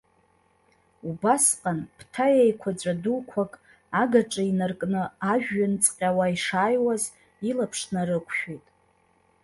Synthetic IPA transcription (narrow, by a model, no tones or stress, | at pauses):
ubasqʼanpʰtʰajejkʷʰad͡ʒʷʼadulkʷʰakʼ | aɡaʈ͡ʂʼainɨrkʼnɨaʒᶣːant͡sʼqʲʼawaiʂaːjwaz | ilapʰʂnaɾɨkʷʰʃᶣijtʼ